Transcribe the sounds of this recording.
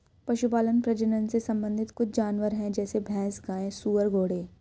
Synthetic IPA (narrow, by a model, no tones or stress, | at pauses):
pɐʃup̬aːlənpɾɐd͡ʒənənsesɐ̃mbə̃nd̪ʱɪt̪kʊt͡ʃʰd͡ʒaːnʋəɾɦɛ̃d͡ʒɛːsebʱɛ̃ːsɡaːẽsuːʋəɾɡoːɽẽː